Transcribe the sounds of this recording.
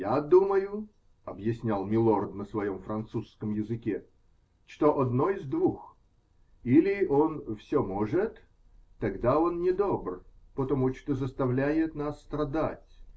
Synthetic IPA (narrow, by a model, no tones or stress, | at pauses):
jad̪uməjʊ | ɐbjɪsʲnʲalˠmʲɪlˠord̪nəsvɐjo̞mfɾɐnt̪suskəmjɪzɨkʲe | t͡ʃt̪oʔɐd̪noɪzd̪vux | ilʲɪonfsʲomoʐɨt̪ː | ɐɡd̪ao̞nnʲɪd̪obrpət̪ɐmut͡ʃt̪ozəst̪ɐvlʲæjɪt̪nasːt̪ɾɐd̪atʲ